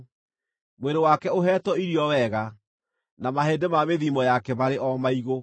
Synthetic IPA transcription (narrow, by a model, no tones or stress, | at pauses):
mweɾewakɛoɦɛːtwɔiɾiɔwɛɣa | namaɦeːndemameðimɔjakɛβaɾeʔɔmaiɣo